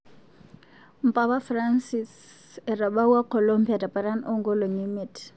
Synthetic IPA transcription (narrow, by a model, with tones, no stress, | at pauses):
m̩˨pʼa˦ba˦fransi˨s | ɛ˨ra˨ɓa˦wa˦kʰɔ˨lo˦mbi˨a˨da˨pʼa˨ɾa˦no˦ŋɡɔ˦lo˨ŋi˦mɪ˨tʰ